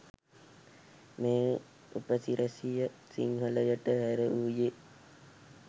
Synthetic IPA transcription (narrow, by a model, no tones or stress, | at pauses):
mẽː | upəsiɾʔɐsijəsḭŋɦələjəʈəɦæɾəuːje